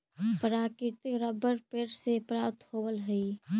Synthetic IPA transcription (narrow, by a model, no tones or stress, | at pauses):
pəɾakɪt̪ɪkɾəbəɾpeʈsepɾapt̪hobəlɦəi